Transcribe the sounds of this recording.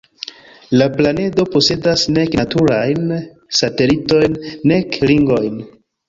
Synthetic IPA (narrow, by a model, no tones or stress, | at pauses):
laplane̞do̞po̞se̞dasne̞knatuɾajn | sate̞lito̞jnːe̞kliŋɡo̞jn